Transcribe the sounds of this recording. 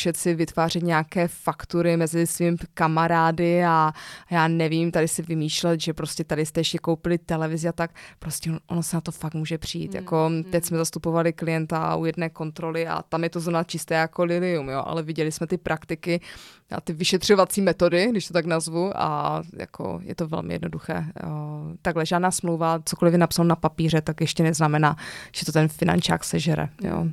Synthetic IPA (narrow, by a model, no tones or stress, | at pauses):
ʃɛt̪sɪvɪt̪vaːr̝ɛt̪ɲaaːkɛːfakt̪uɾɪmɛzɪsvimɪkamaɾaːdɪajaːnɛviːmt̪adɪsɪvɪmiːʃlɛt̪ʒɛpɾoscɛt̪adɪst̪ɛjɛʃcɛko̞wpɪlɪt̪ɛlɛvɪzɪat̪ak̚pɾoscɛʔo̰nosɛnat̪o̞fak̪muːʒɛpr̥ɪjḭːt̪ja̰ko̞t̪ɛcsmɛzast̪upo̞valɪklɪjɛnt̪a̰ṵjɛdnɛːko̞nt̪ɾo̞lɪa̰t̪amjɛt̪o̞zɾovnat͡ʃɪst̪ɛːjako̞lɪlɪumjoʔa̰lɛvɪɟɛlɪsmɛt̪ɪpɾʔakt̪ɪkɪ | a̰t̪ɪvɪʃɛt̪r̝̥o̞vat͡siːmɛt̪o̞dɪɡdɪʃt̪ot̪aknazvuʔa̰ja̰kʰo̰jɛ̰t̪ovɛ̰lmɪ̰jɛ̰dno̞duxɛ̰ː | t̪aɡlɛʒaːdnaːsmlowvat͡soko̞lɪfjɛnapsalonapapiːr̝ɛt̪akjɛʃcɛnɛznamɛnaːʒ̥ɛt̪o̞t̪ɛnfɪna̰nt͡ʃa̰ːksɛʒɛɾɛ̰jo̰ː